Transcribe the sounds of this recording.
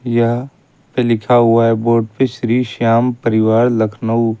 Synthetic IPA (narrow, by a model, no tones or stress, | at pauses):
jɐɦ | pelɪkʰaɦʊaɛboːɾɖ̚peʃɾiːʃaːmpəɾɪʋaːɾlɐkʰnəu